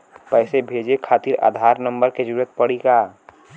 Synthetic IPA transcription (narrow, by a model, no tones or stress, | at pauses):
pɛɪsebʱed͡ʒekʰaːt̪iɾa̰ːd̪ʱaɾnəmbəɾked͡ʒəɾuət̪̚pəɽika